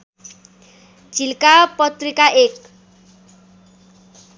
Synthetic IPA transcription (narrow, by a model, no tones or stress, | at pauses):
d͡zʱilkapʌt̪rikaʔek